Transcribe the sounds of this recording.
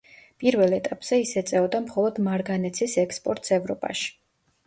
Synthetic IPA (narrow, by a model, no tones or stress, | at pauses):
pʼiɾvɛlˠɛt̪ʼapʼz̥ɛisɛt̪sʼɛɔd̪amχɔlˠɔd̪maɾɡanɛt̪sʰisɛkspʼɔɾt̪ʼsɛvɾɔpʼa̰ʃi̥